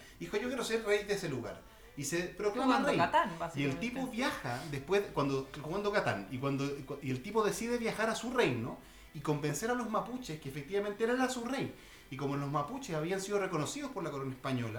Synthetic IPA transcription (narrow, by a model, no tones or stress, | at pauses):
ixoʝokjeɾoseɾrejðeseluɣa̰ɾ | isepɾoklamalrjat̪anaielt̪ipoβjaxaðespwezkwand̪oomand̪okat̪anikwand̪oielt̪ipoðesiðeβjaxaɾasurejno | iko̞mbenseɾalozmaput͡ʃeskeːfek̚t̪iβament̪eeɾaɾasurej | ikomolozmaput͡ʃesaβiansið̞oreko̞nosiðospoɾlako̞ɾonaespaɲo̞la